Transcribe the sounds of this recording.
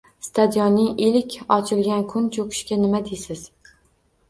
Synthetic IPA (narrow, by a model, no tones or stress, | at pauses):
st̪ʰad̪ijɒnːɪŋɪlɪkʲʰɒt͡ʃʰɪlɡʲankʰʊnt͡ʃʰokʰɪ̥ʃkʲanɪmad̪ejsɪz̥